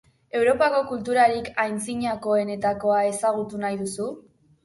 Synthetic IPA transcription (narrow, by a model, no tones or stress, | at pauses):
e̞wɾo̞pako̞kult̪uɾaɾikajnt͡siɲako̞e̞ne̞t̪ako̞ae̞saɣ̞ut̪unajðusu